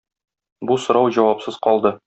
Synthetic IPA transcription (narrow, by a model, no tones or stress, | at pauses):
busŏɾɑwʑɒwɑpsɤz̥qɒlˠd̪ɤ